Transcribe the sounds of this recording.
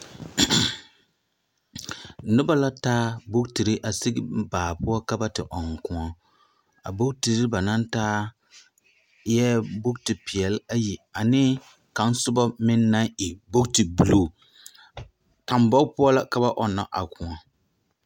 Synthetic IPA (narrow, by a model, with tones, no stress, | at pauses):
nɪ˦ba˦la˦taː˦bʊ˦kti˨ɾɪ˦ʔa˨sɪ˦ɡbaː˨pʊ˦ɔ˦ka˦ba˦tɪ˨ʔɔ˨ŋ˨kʊ˨ɔ˦ | a̰˨bo˦kti˨ɾɪ˦ba˨na˦ntaː˦ | jɛ˦bo˦k̚ti˨pi˨ɛ˨la˦ji˨a˨nɪ˦ | ka˨n˦sʊ˦ba˦mɪ˦nːa˦ŋɪ˨bo˦kti˨bu˨loː˦˨ | ta˨mbɔ˦kpʊ˦ɔ˦la˦ka˦ba˦ʔɔ˨na̰˨ʔa˨kʊ̃˨ɔ˨